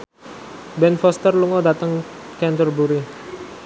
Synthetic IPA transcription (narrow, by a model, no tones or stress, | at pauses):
bɛnfɔst̪ərluŋɔdat̪əŋkɛnt̪ərbuɾi